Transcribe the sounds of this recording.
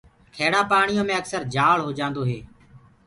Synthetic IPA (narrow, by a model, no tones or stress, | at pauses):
kʰeːɽaːpaːɳɪjõːmẽːəksəɾd͡ʒaːɭɦoːd͡ʒãːnd̪oːɦeː